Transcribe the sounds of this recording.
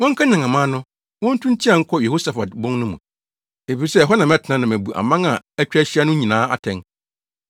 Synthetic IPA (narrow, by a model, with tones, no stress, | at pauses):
wɔ̃˦ŋ̩˦kʰa˦nã˨ŋã˨mã˦nʊ̃˦ | wɔ̃˦n̩˦tʰũ˦n˦t͡ɕʰi˦ã˨ŋ̩˦kʰɔ˦jɛ˨ho˦sa˨fa˨tbʊ̃˦ŋnʊ̃˦mṵ̃˨ | e˨fi˨ɾi˨sɛ˦˨ɦɔ˦nã˨mɛ˦tʰɪ˨nã˦nã˨mæ˨bu˨ʔa̰˨mã˦ŋa˨æ˦t͡ɕᶣæ˦ɕi˦a˦nʊ̃˦ɲĩ˨nãː˨˦a̰˨tʰɛ̃˨ŋ